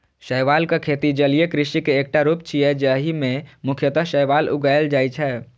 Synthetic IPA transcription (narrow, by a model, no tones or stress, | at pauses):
ʃəjʋaːlkakʰeːt̪id͡ʒəliekɾɪʃikeːk̚ʈaɾuːpt͡ʃʰiɛd͡ʒəɦimẽmʊkʰjət̪əɦʃəjʋaːlʊ̰ɡaːəld͡ʒaːit͡ʃʰɛː